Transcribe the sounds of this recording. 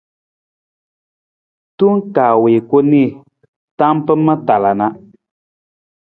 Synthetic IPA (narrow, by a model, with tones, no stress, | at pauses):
tu˦ŋ˦kaː˨weː˨ko˦ni˦˨ | ta˦m˦pɨ˦ma˦ta˨la˨na˦